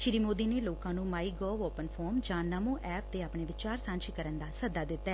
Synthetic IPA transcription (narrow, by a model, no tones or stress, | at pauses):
ʃɪɾiːmoːd̪iːneːloːkãːnũːmaːiːɡɔːʋɔːpənpʰɔːɾmd͡ʒãːnəmõːʔɛːp̚t̪eːaːpɳeːʋɪt͡ʃaːɾsãːnt͡ʃʰikəɾənd̪aːsəd̪aːd̪ɪt̪ːaɛː